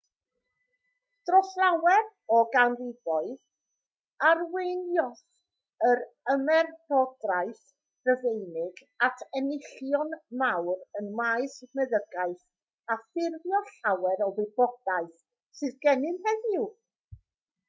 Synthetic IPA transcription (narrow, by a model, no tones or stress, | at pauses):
d̥rɔɬawɛr | ɔɡanrɪbɔɨð | arwɪnjɔs | əɾəmɛrb̥ɔdraɨθ | rəvejnɪɡ | atʰɛnɪɬjɔnmawrənmaɨsmɛðəɡaɨθ | afɪrvjɔɬawɛɾɔvɨbɔdaɨθ | sɨðɡɛnɪnhɛðɪw